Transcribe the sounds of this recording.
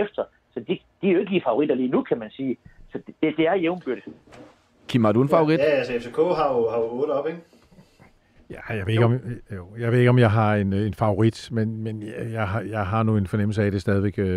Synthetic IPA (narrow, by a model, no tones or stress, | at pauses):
efd̥ɐ | sɒ̽d̥i | d̥iæoe̝ɡ̥əliːfɑ̈oʁid̥ɐliːnukʰæmænsiːsɒ̽d̥d̥ed̥e̝æɐjeʊmb̥yɐɾ̥ə | kʰimɑd̥uenfɑ̈ʊoʁid̥æælsefʰe̝kʰɔ̰ːɦɑ̈uɦɑ̈uoːɒ̽b̥eɡ̥ | jæjɑ̈ʋe̝eɡɒmjojɑ̈ɪʋe̝ðˠeɡ̥ɒ̽mjɑ̈ɪɦɑ̈e̝ne̝nfɑ̈oʁid̥menmenjɑ̈ɪɦɑjɑ̈ɪɦɑ̈nue̝nfɒ̽nem̰l̩s̬əæd̥e̝sd̥ɛːð̞ˠʋeɡ̥